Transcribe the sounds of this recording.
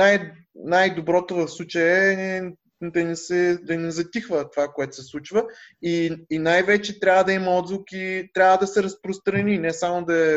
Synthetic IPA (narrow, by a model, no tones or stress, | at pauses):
naj | najd̪obɾɔt̪ovɐfslˠut͡ʃəjɛɛ | d̪ɐnɛsɛd̪ɐnɛzɐt̪ixvət̪ovakoɛt̪ʊ̥sɛslˠut͡ʃvəiːnajvɛt͡ʃɛt̪ɾʲavəd̪ɐimɐɔd̪zvˠʊkit̪ɾʲavəd̪ɐsɛɾɐspɾost̪ɾɐninɛsamod̪ɐɛ